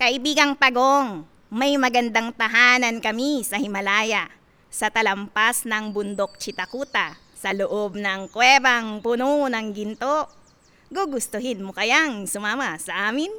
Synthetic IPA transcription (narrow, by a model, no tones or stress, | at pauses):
kɐʔɪbiːɡɐŋp̪ɐɡoŋ | mɐjmɐɡɐnd̪aŋt̪ɐɦaːnɐnkɐmisɐhɪmɐlaːjɐʔ | sɐt̪ɐlɐmpasnɐŋbʊnd̪ok̚t͡ʃɪt̪ɐkuːt̪ɐ | sɐloʔob̚nɐŋkwɛbɐŋpʊnonɐŋɡɪnt̪o̞ʔ | ɡoɡʊst̪oɦɪnmokɐjaŋsʊmaːmɐsɐʔaːmɪn